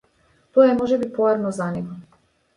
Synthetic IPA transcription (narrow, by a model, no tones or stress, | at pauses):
t̪oɛmɔʒɛbipɔjaɾnɔzanɛɡɔ